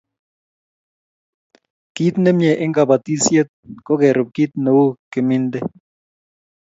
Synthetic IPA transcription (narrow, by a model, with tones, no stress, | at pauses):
ki˦t̪ne˦mje˨ʔɪ˦ŋɡa˨ba˨t̪i˦sje˦t̪̚kɔ˦kɛ˨ɾʊ˨p̚ki˦t̪̚no˨wo˦ke˨mɪ˦nd̪ɛ˦